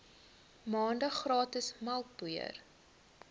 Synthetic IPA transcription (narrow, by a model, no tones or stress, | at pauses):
mɑːndəχrɑːtəsmɐlˠk̚b̥uə̰r